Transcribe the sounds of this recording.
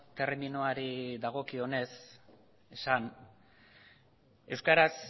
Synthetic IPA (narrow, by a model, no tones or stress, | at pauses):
t̪e̞rminoaɾiðaɣ̞o̞kio̞ne̞s | esan | e̞wskaɾas